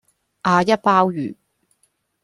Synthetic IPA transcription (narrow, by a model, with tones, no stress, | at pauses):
ʔaː˧jɐ˥t̚paː˥wjyː˨˩